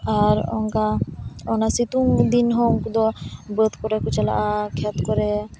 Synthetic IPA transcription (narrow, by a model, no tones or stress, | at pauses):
aɾɔ̰ŋkaɔnasit̪uŋd̪inɦoŋkud̪ɔbət̪kɔɾekut͡ʃala̰ʔakʰɛt̪kɔɾe